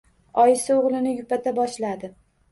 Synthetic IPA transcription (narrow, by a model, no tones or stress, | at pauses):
ɒjɪsɪoʁlˠɪnɪjʊpat̪ʰabɒʃlad̪ɪ